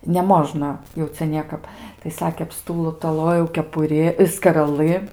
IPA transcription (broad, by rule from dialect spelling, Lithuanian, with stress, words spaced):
nʲɛˈmoːʒnɐ jɛʊ ˈt͡sʲɛ ˈnʲiɛkɐp tɐɪ ˈsɑːkʲeː ɐpˌstuːtoːˈlˠoːjɛʊ kʲɛpʊˈrʲɪ skɐrɐˈlˠɨ